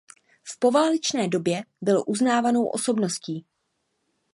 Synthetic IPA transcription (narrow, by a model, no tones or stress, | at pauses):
fpo̞vaːlɪt͡ʃnɛːdo̞bjɛbɪlo̰ʔuznaːvano̞wʔo̞̰so̞bno̞sciː